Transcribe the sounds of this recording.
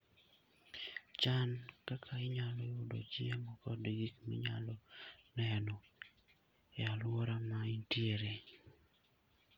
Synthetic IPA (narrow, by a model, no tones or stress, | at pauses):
t͡ʃankakʰaɪɲalɔɪʊdo̰d͡ʒiemɔkɔdɡikmḭɲa̰lɔnɛnɔ | jalwoɾamaintjeɾe